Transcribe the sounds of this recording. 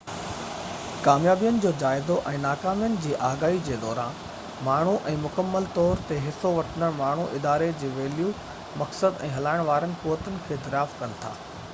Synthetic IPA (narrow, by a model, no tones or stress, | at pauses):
kaːmjaːbijənɪ̆d͡ʑoːd͡ʑaːɪzoʔɛ̃ːnaːkaːmijənɪ̆d͡ʑiːʔaːɡaːɦid͡ʑeːd̪ɔːɾãː | maːɳ̤uʔɛ̃ːmʊkəmːəlt̪ɔːɾt̪eɦɪsoʋɐʈʰənəɽ̃maːɳ̤uʔɪd̪aːɾed͡ʑeːʋeːlju | mɐksəd̪ɛ̃ːɦɐlaːɪɽ̃ʋaːɾənɪ̆kuːʋət̪ənɪ̆kʰeːd̪ɐɾjaːfkɐnɪ̆t̪ʰa̰ː